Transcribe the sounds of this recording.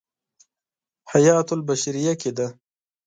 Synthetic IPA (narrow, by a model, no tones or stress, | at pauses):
hajɑːt̪ʊlbaʃaɾijaked̪a